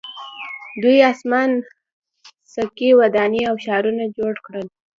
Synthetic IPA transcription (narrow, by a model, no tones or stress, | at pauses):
d̪ujasman | sakiwad̪ɑniawʃɑɾunad͡ʒoɽkɽəl